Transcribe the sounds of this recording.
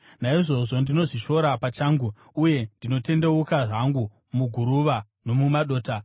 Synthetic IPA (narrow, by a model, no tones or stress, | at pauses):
naiʐo̞ʐo̞ndino̞ʐiʃo̞ɾapat͡ʃaːŋɡu | uje̞ndino̞te̞nde̞ukaʐaŋɡu | muɡʱuɾuʋa | no̞mumaɗo̞ːta